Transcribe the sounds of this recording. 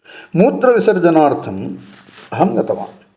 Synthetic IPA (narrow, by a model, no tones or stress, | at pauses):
muːt̪ɾɐʋisɐɾd͡ʒɐnaːɾt̪ʰɐm | ɦɐŋɡɐt̪ɐʋa̰ːm